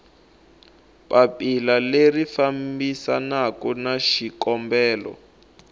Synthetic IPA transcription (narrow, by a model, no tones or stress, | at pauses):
papilalerifambisanakɔnaʃikɔmbɛːlɔ̰